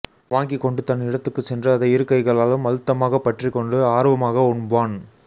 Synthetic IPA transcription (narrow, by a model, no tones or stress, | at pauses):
ʋaːŋɡikːɔɳɖɯt̪ɐnɪɽɐt̪ːɯkːɯt͡ʃːɛndrɐːðɐɪɾɯkːɐɪɣɐɭaːlɯmʋɐlɯt̪ːɐmaːɣɐpːɐʈrikːɔɳɖɯaːɾʋɐmaːɣɐʊɳbaːn